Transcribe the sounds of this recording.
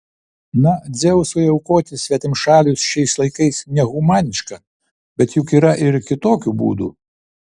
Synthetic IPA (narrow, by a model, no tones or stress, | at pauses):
nɐd̪zʲeːwʊsʊjɛʊkoːt̪ʲɪsʲʋʲɛt̪ʲɪmʃɑːlʲʊsʃʲɛɪslˠɐɪkɐɪsnʲɛɣʊmɑːnʲɪʃkɐ | bʲɛt̪jʊkiːɾɐʔɪɾkʲɪt̪oːkʲubṵːd̪ṵ